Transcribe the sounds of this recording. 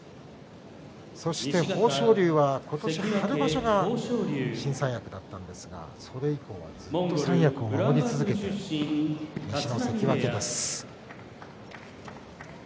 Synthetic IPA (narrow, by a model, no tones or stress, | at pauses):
so̞ɕi̥t̪e̞ho̞ːɕo̞ːɾʲɨːβako̞t̪o̞ɕiɲoaɾɯ̟baɕo̞ɡa | ɕĩɰ̃sãɰ̃jakɯ̟d̪at̪ːãnd̪e̞sɨɡa̰soɾe̞iko̞̰ːβa̰d͡zɨt̪ːosãɰ̃jakɯ̟o̞mmamo̞ɲʲit͡sɨzɨtke̞tt̪e | ɲiɕinosekʲiβaked̪esɨ̥